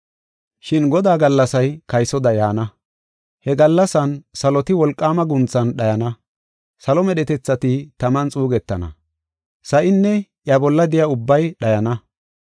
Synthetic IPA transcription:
ʃɪnɡɔd̪aːɡɐlːɐsɐjkɐjsɔd̪ɐjaːnɐ | hɛɡɐlːɐsɐnsɐlɔt̪ɪwɔlkʼːaːmɐɡʊnt͡sːɐnɗɐjɐnɐ | sɐlɔmɛɗɛt̪ɛt͡sːɐt̪ɪt̪ɐmɐnt͡sʼuːɡɛt̪ːɐnɐ̰ | sɐʔɪnːɛʔjɐbɔlːɐd̪ɪjɐʊbːɐjɗɐjɐnɐ

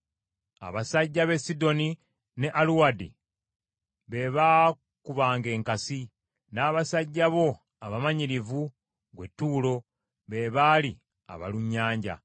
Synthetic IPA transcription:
a̰βasaɟːaβe̞sido̞ni | ne̞ʔaluwadḭ | βe̞βa | kuβaːŋɡe̞ːŋkasi | naːβasaɟːaβo̞ | aβamaɲiɾivu | ɡwetːuːlo̞ | βe̞βali | a̰βa̰luɲːaːɲɟa̰

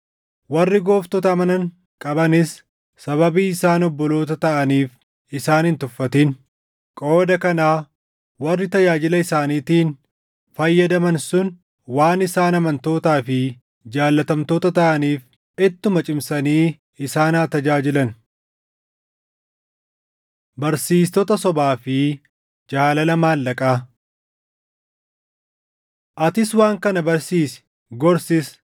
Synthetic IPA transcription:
wɐrːɪɡo̞ːft̪ɔt̪ɐːmɐnɐŋ | kʼɐbɐnɪs | sɐβɐbiːɪsaːnɔbːɔlo̞ːt̪ɐt̪ɐʔɐniːf | ɪsaːnhɪnt̪ʊfːɐt̪in | kʼo̞ːd̪ɐkɐnaː | wɐrːɪt̪ɐd͡ʒaːd͡ʒɪlɐɪsaːniːt̪iːn | fɐjːɐd̪ɐmɐnsʊn | waːnɪsaːnɐmɐnt̪o̞ːt̪aːfɪ | d͡ʒaːlːɐt̪ɐmt̪oːt̪ɐt̪ɐʔɐniːf | ɛt̪ːʊmɐt͡ʃʼɪmsɐniː | ɪsaːnaːt̪ɐd͡ʒaːd͡ʒɪlɐn | bɐɾsiːst̪ɔt̪ɐsɔbaːfɪ | d͡ʒaːlɐlɐmaːlːɐkʼaː | ʔɐt̪ɪswaːŋkɐnɐbɐɾsiːsɪ̥ | ɡɔɾsɪs

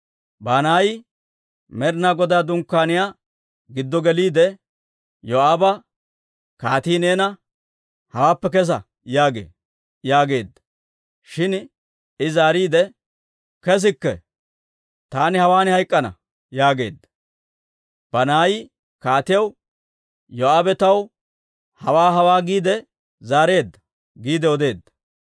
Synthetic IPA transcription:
bɐnaːj | mɛɾnaːɡɔd̪aːd̪ʊŋkːaːnɪja | ɡɪd̪ːɔɡɛliːd̪ɛ | jɔaːbɐ | kaːt̪iːneːnɐ | hɐwaːpːɛk̬ɛs̬ɐ̰ | jaːɡḛː | jaːɡe̞ːd̪ːɐ | ʃɪn | ɪzaːɾiːd̪ɛ | kɛs̬ɪkːɛ | t̪aːnɪhɐwaːnɪhɐjkʼːɐnɐ̰ | jaːɡe̞̰ːd̪ːɐ̥ | b̥ɐnaːjɪ | kaːt̪ɪjɐw | jɔaːbɛt̪ɐw | hɐwaːɦɐwaːɡiːd̪ɛ | zaːɾe̞ːd̪ːɐ̥ | ɡiːd̪ɛɔd̪e̞ːd̪ːɐ̥

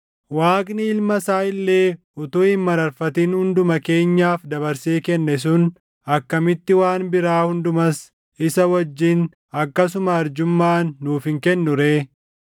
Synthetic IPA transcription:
waːkʼnɪɪlmɐsaːɪlːe̞ː | ʊt̪oːɪmmɐɾɐɾfɐt̪iːnhʊnd̪ʊmɐke̞ːɲːaːfd̪ɐβɐɾseːkɛnːɛs̬ʊn | ɐkːɐmɪt̪ːɪwaːnbɪɾaːhʊnd̪ʊmɐs | ɪsɐwɐd͡ʒːiːn | ɐkːɐs̬ʊmɐːɾd͡ʒʊmːaːnːuːfɪŋkɛnːʊɾeː

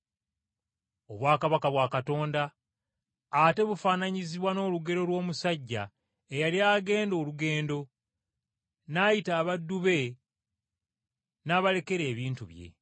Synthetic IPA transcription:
o̞βwaːkaβakaβwaːkato̞ːndaː | te̞βufaːnaɲiziβwano̞ːluɡe̞ɾo̞lwo̞ːmusaɟːa̰ | ejaliaːɡe̞ːndo̞ːluɡe̞ːndo̞ | najitaːβadːuβe̞ | naːβale̞ke̞ɾe̞ːβiːntuβje̞̰

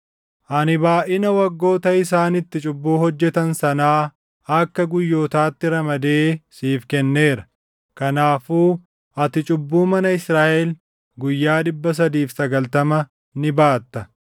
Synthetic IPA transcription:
ʔɐnɪbaːʔɪnɐwɐɡːo̞ːt̪ɐɪs̬aːnɪt̪ːɪt͡ʃʼʊbːuːhɔd͡ʒːɛt̪ɐnsɐnaː | ɐkːɐɡʊjːo̞ːt̪aːt̪ːɪɾɐmɐd̪eːsiːfkɛnːe̞ːɾɐ | kɐnaːfuː | ʔɐt̪ɪt͡ʃʼʊbːuːmɐnɐɪsɾaːʔɛl | ɡʊjːaːᶑɪbːɐs̬ɐd̪iːfsɐɡɐlt̪ɐmɐ | nɪbaːt̪ːɐ

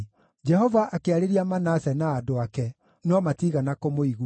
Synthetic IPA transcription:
d͡ʒɛɦɔvaʔakeaɾeɾiamanasɛnaːdoakɛ | nɔmatiɣanakomoiɣu

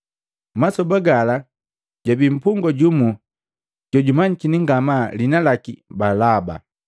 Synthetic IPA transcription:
masɔbaɡala | ɟ̥abim̩puŋɡɔɟumu | ɟ̥ɔɟumaɲikiniŋɡamalinalakḭbalaba̰

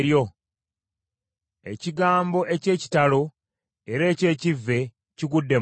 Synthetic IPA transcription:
ɾjo̞ | e̞̰ciɡaːmbo̞ʔe̞ce̞ːci̥talo̞ | eɾe̞ːce̞ːcivːe̞ | ciɡudːe̞

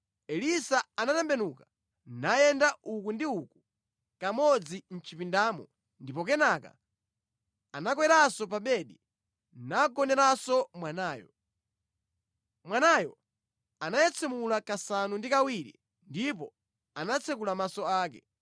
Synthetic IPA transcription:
ɛlisaanatɛmbɛnuka | najɛndaʔukundiuku | kamɔd͡zin̩t͡ʃʰipindaːmɔ | ndipɔk̬ɛnaka̰ | anakwɛɾasɔp̬aɓɛɗi | naɡɔnɛɾasɔmwanaːjɔ | mwanajɔ | anajɛt͡sʰɛmulakasanundikawiɾḭ | ndipɔ | anat͡sʰɛkulamasɔaːk̬ɛ

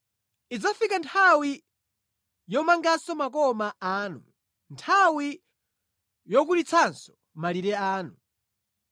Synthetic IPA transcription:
id͡zafikantʰawi | jɔmaŋɡasɔmakɔmaaːnu | ntʰawi | jɔk̬uɾit͡sʰansɔ̥ | maliɾɛaːnu

